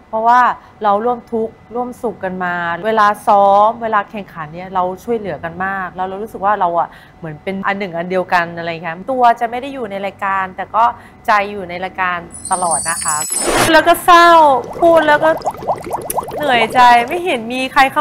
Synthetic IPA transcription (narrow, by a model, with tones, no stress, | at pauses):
pʰɾɔ˦˥waː˥˩ | ɾa˧wɾu˥˩əmt̪ʰu˦˥k̚ɾu˥˩əmsu˨˩kːa˧nmaː˧eː˧laː˧sɔː˦˥mweː˧laː˧kʰɛ˨˩ŋkʰa˩˦nːi˥˩ɐɾa˧wt͡ɕʰu˥˩əjlɯ˩˦ɐka˧nmaː˥˩k̚lɛː˦˥wɾa˧ɾuː˦˥sɯ˨˩k̚waː˥˩ɾa˧wʔa˨˩ | mɯ˩˦ənpe˧nʔa˧nːɯ˨˩ŋʔa˧ndi˧əwka˧nʔa˧ɾa˧je˨˩a˦˥t̪u˧ɐt͡ɕa˨˩ma˥˩jda˥˩jːuː˨˩na˧jɾaː˧jkaː˧nt̪ɛː˨˩kɔː˥˩ | t͡ɕa˧jːuː˨˩na˧jɾaː˧jkaː˧nt̪a˧lɔː˨˩t̪̚na˦˥kʰa˦˥kʰu˥˩tlɛː˦˥wkɔː˥˩sa˥˩wpʰuː˥˩t̪̚lɛː˦˥wkɔː˥˩ | nɯ˨˩˦əjt͡ɕa˧jma˥˩jɦe˨˩˦nmiː˧kʰa˧jkʰa˥˩